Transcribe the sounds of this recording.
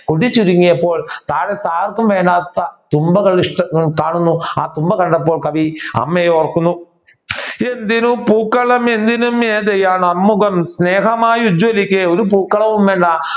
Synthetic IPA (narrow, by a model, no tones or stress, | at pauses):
koɽit͡ɕːuɾuŋːijɐpːo̞ːɭt̪aːɽet̪aːrkumʋeːɳɖaːt̪ːɐt̪umbɐɣɐɭiʂʈɐkaːɳunːua̰ːt̪umbɐkɐɳɖɐp̬ːoːɭkɐʋiɐ̰mːejoːrkːunːu | end̪inupuːkːɐɭɐme̞nd̪inumeːðejaːnɐmːuɣɐmsneːɦɐmaːjud͡ʑʋɐlikʲːeoɾupuːkːɐɭɐʋumʋeːɳɖaː